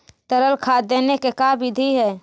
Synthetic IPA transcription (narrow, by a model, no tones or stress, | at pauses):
t̪əɾəlkʰad̪enekekabid̪ʱiɦɛː